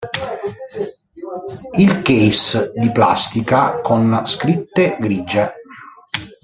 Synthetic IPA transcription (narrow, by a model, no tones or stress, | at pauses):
ilkesd̪ipla̰st̪ikakonskɾit̪ːeɡɾiːd͡ʒe